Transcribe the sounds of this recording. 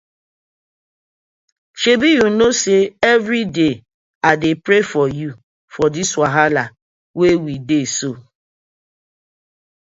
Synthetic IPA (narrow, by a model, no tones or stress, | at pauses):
ʃebijunoseevɾide | adepɾefɔju | fɔdiswaɦala | wewideso